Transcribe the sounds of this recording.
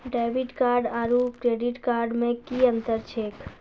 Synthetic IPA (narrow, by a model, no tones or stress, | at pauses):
ɖaʋɪʈkaːɾɖaːɾupkɾeɖiʈkaːɾɖmẽkiə̃nt̪əɾt͡ʃʰeːk